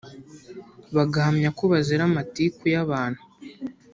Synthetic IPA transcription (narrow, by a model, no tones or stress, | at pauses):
βaɡahamɲakoβaziɾamatikujaβaːn̥hu